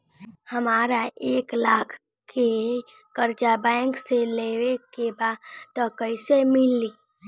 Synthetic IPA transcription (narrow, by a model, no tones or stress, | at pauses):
həmaːɾaʔeːklaːkʰ | ke | kəɾt͡ʃabɛɪŋkseleːʋekebaːt̪ːɔkəɪsemɪlːiː